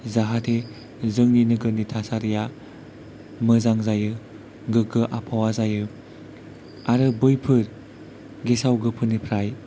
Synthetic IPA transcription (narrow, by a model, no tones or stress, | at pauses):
zaɦatʰe | zɯŋninɯɡɯnitʰasaɾija | mɯzaŋzajɯ | ɡɯɡɯʔapʰawazajɯ | aɾɯbɯjpʰɯɾ | ɡesawɡɯpʰɯnipʰɾaj